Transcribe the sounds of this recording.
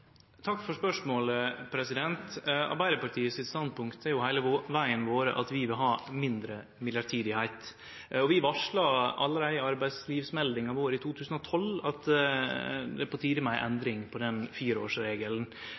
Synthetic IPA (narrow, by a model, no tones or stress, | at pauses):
t̪ʰɑkːfɔʂpœʂmoːləpʰɾɛsɪd̪ɛnt̪ɑ̰ɾbæɪɾəpɑʈʰiːəsɪt̪st̪ɑnd̪pʰʊŋkt̪æɾjʊhæɪləʋæɪənʋoːɾə̰ʔɑt̪ʋɪʋɪlɦɑːmɪnd̪ɾə | mɪljɑɾʈʰiːd̪ɪhæɪt̪ | ɔʋɪʋɑʂɭɑɑlːəɾæɪɑɾbæɪd̪sliːʋsmɛld̪ɪŋɑʋoːɾəɪt̪ʰuːt̪ʰʉːsən̩ɔt̪ʰɔlɑt̪ | d̪ɛpʰɔt̪ʰiːd̪əmæɪʔɛnd̪ɾɪŋpʰɔd̪ɛnfiːɾəo̰ːʂɾeːɡəln̩